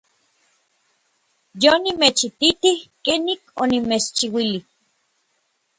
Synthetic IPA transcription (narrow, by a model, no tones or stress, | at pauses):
jonimet͡ʃit̪it̪ihkenikonimet͡ʃt͡ʃiwilih